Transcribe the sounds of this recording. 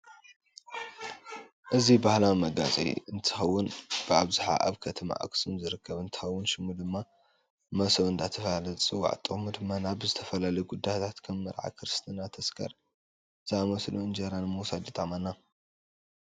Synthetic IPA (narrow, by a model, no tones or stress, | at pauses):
ʔɨzibahlawmɐɡa̰zʼḭɨnt̪ʰɨ̥xɐwːʊnb̥ɨaβzuħa̰ʔa̰βkʰɐt̪ʰɐma̰ʔa̰kʼɨ̥sɨmzɨɾɨkʰːɐβɨnt̪ʰɨ̥xɐwːʊnʃɪmud̪ɨmːa | mɐsɐβɨnt̪ʰat̪ʰɐfɐlalɐjt͡sʼɨwːa̰ʕt̪ʼɨɣʼmud̪ɨmːanaβzɨt̪ʰɐfɐlalɐjɡud̪ːajt̪ʰat̪kʰɐmːɨ̰ɾʕa̰kʰɨɾɨst̪ʰɨnat̪ʰɐskʰɐ̰ɾ | zmɐsluɨnd͡ʒeɾanmuwsad̪ɨt̪ʼaʕmanːa